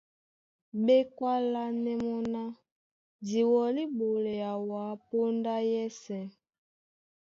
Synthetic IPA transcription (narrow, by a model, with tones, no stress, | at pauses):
ɓe˦kwa˦la˦nɛ˦mɔ˦na˦ | di˨wɔ˨li˦ɓo˨le˨a˨wa˨˦po˦nda˦jɛ˦sɛ˨